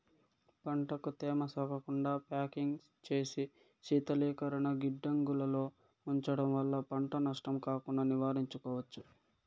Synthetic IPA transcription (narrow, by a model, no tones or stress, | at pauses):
pɐɳʈɐkut̪ɛːmɐsɔːkɐkuɳɖaːpaːkiŋɡs | t͡ʃe̞ːsi | ʃiːt̪ɐliːkɐɾɐɳɐɡiɖːɐŋɡulɐlo̞ː | uɲt͡ʃɐɽɐmʋɐlːɐpɐɳʈɐnɐʂʈɐmkaːkuɳɖɐniʋaːɾiɲt͡ʃukɔːʋɐt͡ʃːu